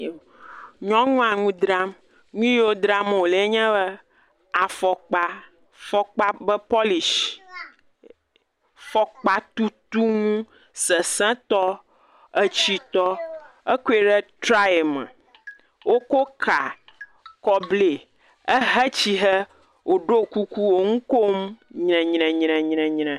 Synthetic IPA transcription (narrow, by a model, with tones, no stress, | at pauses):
ɲɔ̃˦ŋũ˦a˨ŋũ˦d̪ɾa˦m | ŋũ˦jo˦d̪ɾa˦m˨o˨le˨e˦ɲɛ̃˦bə˦ | a˨fɔ˨k͡pa˨ | fɔ˦k͡pa˦bə˦pɔ˦li˨ʃ | fɔ˨k͡pa˨t̪u˦t̪u˦ŋũ˦ | sə˨sɛ̃˦t̪ɔ˦ | ə˦t͡ɕi˦t̪ɔ˦ | ə˦ku˦e˦ɖɛ˦tɾa˦˨mɛ̰̃˨ | wo˦ko˦kʰa˨ | kɔ˦ble˨ | ə˦ɦɛ˦t͡ɕi˦ɦə˦ | wo˨ɖo˦ku˦ku˦wo˨ŋũ˦ko˦m˦ɲnɛ̃˨ɲnɛ̃˨ɲnɛ̃˨ɲnɛ̃˨ɲnɛ̃˨